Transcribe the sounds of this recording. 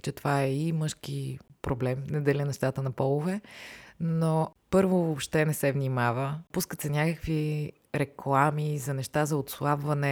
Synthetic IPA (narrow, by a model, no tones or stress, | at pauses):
t͡ʃɛt̪ovaɛimɤʃkipɾoblɛmnɛd̪ɛlʲɛnɛʃt̪at̪ənɐpɔlˠʊvɛ | nopɤɾvovopʃt̪ɛnɛsɛvnʲimavəpuskət̪sɛnʲakəkvi | ɾɛklˠamizɐnɛʃt̪azɐot̪slˠabvɐnɛ